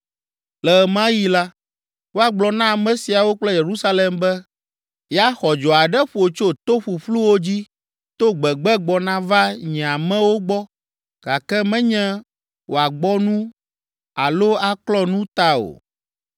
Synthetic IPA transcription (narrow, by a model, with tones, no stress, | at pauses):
lɛ˨mã˦ji˦la˦ | wo˦a˨ɡ͡blɔ˨nã˦a˨mɛ̃˦si˨a˨wo˦k͡plɛ˦je˨ɾu˦sa˦lɛ˨mbɛ˦ | ja˦xɔ˨d͡ʒɔ˨a˨ɖɛ˦ɸu˦˨o˨t͡ʃo˦t̪o˦ɸu˨ɸlu˦wo˦d͡ʑi˦ | t̪o˦ɡ͡bɛ˨ɡ͡bɛ˦ɡ͡bɔ˨nã˦va˦ɲɛ̃˨a˨mɛ̃˦wo˦ɡ͡bɔ˦ | ɡ̥a˨kɛ˦mɛ̃˦ɲɛ̃˦ | wo˨a˨ɡ͡bɔ˦nũ˦ | a˨lo˦a˨klɔ˦nũ˦t̪a˦o̰˨